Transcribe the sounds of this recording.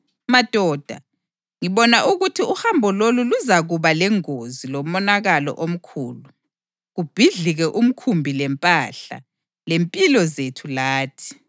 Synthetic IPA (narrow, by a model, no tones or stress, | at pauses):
mad̥ʱɔːd̥ʱa̰ | ŋiβɔnaʔuɣutʰiuhambʱɔloluluzaɣuβalɛŋozilɔmɔnaɣalɔ̰ʔom̩kʰṵːlu | ɣub̥ʱiɮiɣɛʔum̩kʰumbʱilɛmpʼaɬa̰ | lempʼilɔzetʰulaːtʰi̥